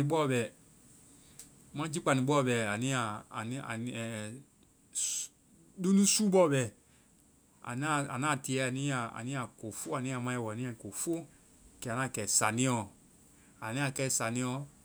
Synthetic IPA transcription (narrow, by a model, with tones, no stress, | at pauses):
ĩ˧˦ɓɔ˦˨bɛ˨ | mã˦d͡ʒi˦k͡pa˨nĩ˨ɓɔ˦˨bɛ˨a˨nĩ˦a˨ni˦a˨ɛ˨ | do˦nũ˦suː˦ɓɔ˦˨bɛ˨ | a̰˨na˦˨a̰˨nãː˦˨ti˨˧˨ɛ˨˦a˨nĩ˦a˨a̰˨nĩ˦a˨ko˨fo˦a˨nĩ˦a˨mã˧ɛ˧˨wɔ˨a˨nĩ˦a˦˨ko˨fo˦ | kɛ˧˨nã˦˨kɛ˨sa˨nĩ˦ɔ˧˨ | a˨nĩ˦a˧˨kɛ˦˨sa˨nĩ˧˦ɔ˧˨